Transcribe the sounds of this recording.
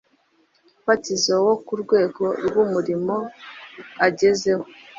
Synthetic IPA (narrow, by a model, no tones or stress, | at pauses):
fatizowokuɾɡwe̞ːɡo̞ɾɡumuɾimo̞ | aɟeze̞ho